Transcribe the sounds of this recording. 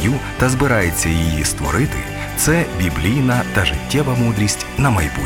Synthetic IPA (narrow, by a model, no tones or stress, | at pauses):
jut̪ɐzbɪɾɑjet͡sʲːɐjijist̪ʋɔɾɪt̪ɪ | t̪sɛbʲiblʲijnɐt̪ɐʒɪtʲːɛʋɐmud̪ɾʲisʲtʲnɐmɐjbu